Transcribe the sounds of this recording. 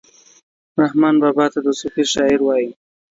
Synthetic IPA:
ɾahmɑnbɑbɑt̪ad̪əsʊfiɾʃɑɪɾwɑji

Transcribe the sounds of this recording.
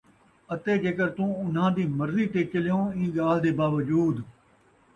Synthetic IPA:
ət̪eːd͡ʒeːkəɾt̪ũːʊn̤ɦãːd̪iːməɾziːʈ̪eːt͡ʃəlɪjõːĩːɠaːl̤d̪eːbaːʋəd͡ʒuːd̪

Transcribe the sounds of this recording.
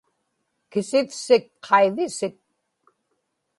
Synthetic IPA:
kɪsɪfsɪkqʰɑiðɪsɪk̚

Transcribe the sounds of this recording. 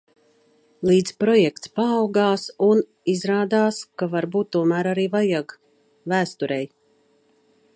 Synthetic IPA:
lˠiːd̪zpɾɔjɛk̚t̪spaːwɡaːsun | izɾaːd̪aːskavaɾbuːt̪ːuɔmæːɾaɾiːvajaɡ | væːst̪uɾɛj

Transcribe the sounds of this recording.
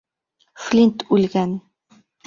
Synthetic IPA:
flʲint̪ulɡʲan

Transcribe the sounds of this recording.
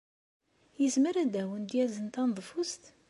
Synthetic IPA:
jəzməɾæd̪æwənd̪jæzənt̪ænðˤfust̪

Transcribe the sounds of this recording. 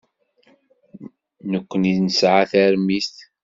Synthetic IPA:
nəkʷːəniðnəsʕaθæɾmist̪

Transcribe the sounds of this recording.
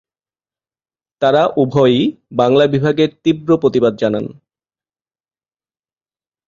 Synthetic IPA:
t̪aɾaʔubʱɔjbaŋlabibʱaɡeɾt̪ibɾopɾot̪ibad̪̚d͡ʑanan

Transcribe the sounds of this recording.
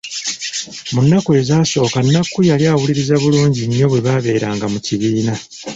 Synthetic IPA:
munːakwe̞zaːso̞ːkanːakːujaliaːwuliɾizaβuluːɲɟiɲːo̞βwe̞βaβe̞ːɾaːŋɡamuciβiːna

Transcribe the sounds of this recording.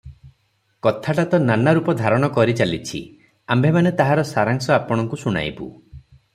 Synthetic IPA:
kɔt̪ʰaʈat̪ɔnanaɾupɔd̪ʱaɾɔɽ̃ɔkɔɾit͡ʃalit͡ʃʰḭ | ambʱemanet̪aɦaɾɔsaɾaŋsɔapɔɽ̃ɔŋkusuɽ̃a̰jbṵ

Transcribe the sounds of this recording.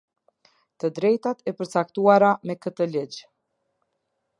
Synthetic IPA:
t̪əd̪ɾɛjt̪at̪ɛpəɾt͡sakt̪uaɾamɛkət̪əlid͡ʑ

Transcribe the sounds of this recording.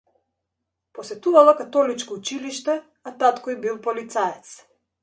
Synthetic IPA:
pɔsɛt̪uvalˠakat̪ɔlit͡ʃkɔut͡ʃiliʃt̪ɛ | at̪at̪kɔibilˠpɔlit̪saɛt̪s

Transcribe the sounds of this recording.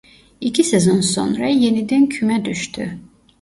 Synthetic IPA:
icʰisezonso̰nɾɑje̞nid̪æncʰymæd̪yʃt̪ʰy̰

